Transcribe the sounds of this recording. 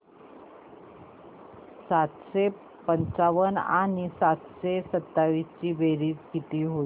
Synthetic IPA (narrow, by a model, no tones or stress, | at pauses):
sat̪ɕe | pəɲt͡saʋəna̰nisat̪ɕesət̪ːaʋist͡ɕiːbeɾiːtkit̪iːɦo